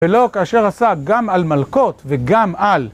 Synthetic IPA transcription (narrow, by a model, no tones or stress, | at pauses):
elo̞kaːʃe̞ʁasaɡamalmalko̞t̪veɡamal